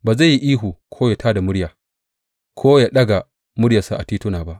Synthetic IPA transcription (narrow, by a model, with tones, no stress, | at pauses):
ba˨za˦˨jːi˦ʔiː˦ɦu˨kʰoː˦ja˨tʰaː˦da˨mʊ˦ɽja˨ | kʰoː˦ja˨ɗɐ˦ɡa˨ | mʊ˦ɽja˨sa˨ʔa˨tiː˦tu˦naː˨ba˦˨ʔ